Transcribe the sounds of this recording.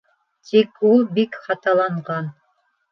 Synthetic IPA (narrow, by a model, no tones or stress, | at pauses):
t̪ʰikulˠbikχɑt̪ɑlˠɑɴʁɑn